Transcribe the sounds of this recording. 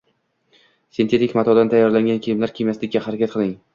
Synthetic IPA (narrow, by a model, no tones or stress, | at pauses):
sent̪ʰe̞t̪ɪkʲmat̪ʰɒd̪ant̪ʰajːɒɾlaŋɡʲankʲʰejɪmlaɾkʲʰemjaslɪk̚ʲːahaɾakʲat̪̚qʰɨlˠɪŋ